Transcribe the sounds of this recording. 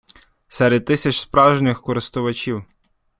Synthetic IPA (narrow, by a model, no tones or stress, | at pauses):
sɛɾɛd̪̚t̪ːɪsʲɐt͡ʃspɾɑʒnɪxkɔɾɪst̪ʊʋɐt͡ʃʲiw